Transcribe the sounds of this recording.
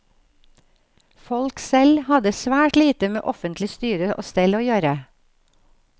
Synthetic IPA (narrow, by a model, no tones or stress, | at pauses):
fɔlksɛlhɑd̪əsʋæːʈliːt̪əmḛːʔɔfənt̪lɪst̪yːɾəʔo̰ːst̪ɛloːjøːɾə